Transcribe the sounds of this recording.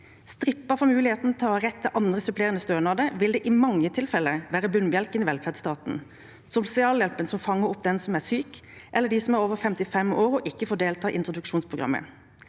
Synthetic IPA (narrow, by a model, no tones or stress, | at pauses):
st̪ɾɪpːəfɔmʉːlɪheːt̪nt̪ʰɾɛt̪ʰːəʔɑnd̪ʁəsœpʰleːʁənəst̪øːnɑːd̪əʋɪld̪ɛːʔɪmɑŋːət̪ʰɪlfɛlːəʋæːɾəbʉnbjɛlkənɪʋɛlfæd̪st̪ɑːt̪n̩ | sʊsɪɑːljɛlpənsɔmfɑŋːəɾʊp̚d̪ɛnsɔmæsyːkʔɛlːəɖ̪iːsɔmæɾoːʋəfɛmt̪ɪfɛmoːʁʊʔɪkːəfoːd̪eːlt̪ʰɑːʔɪnt̪ʁʊd̪ʉkʃuːnspʰʁʊɡʁɑ̰mːə̰